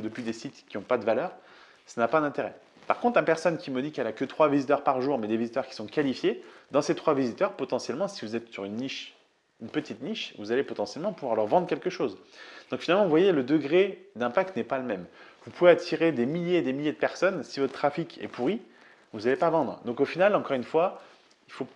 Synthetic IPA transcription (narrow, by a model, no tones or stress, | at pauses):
d̪əpɥid̪esit̪kʲiɔ̃pad̪əvalœʁ | sanapad̪ɛ̃t̪eʁɛ | paʁ̥kɔ̃t̪χɛ̃pɛʁsɔnkʲiməd̪ikɛlakət̪χwavizit̪œʁpaʁʒuʁmɛd̪evizit̪œʁkʲi̥sɔ̃kalifjed̪ɑ̃set̪χwavizit̪œʁpɔt̪ɑ̃sjɛlmɑ̃sivuzɛt̪syʁynːiʃ | ynpət̪it̪niʃvuzalepɔt̪ɑ̃sjɛlmɑ̃puvwaʁlœʁvɑ̃d̪ʁəkʲɛlkəʃozd̪̥ɔ̃kfinalmɑ̃vvwajeləd̪əɡʁed̪ɛ̃pak̚t̪nɛpaləmɛmvupuveat̪ʰiʁed̪emiljed̪emiljed̪əpɛʁsɔnsivɔt̪t̪χafikʲʰɛ̰puʁi | vuzalepavɑ̃d̪ʁd̪ɔ̃kofinalɑ̃kɔʁynfwa | ilfo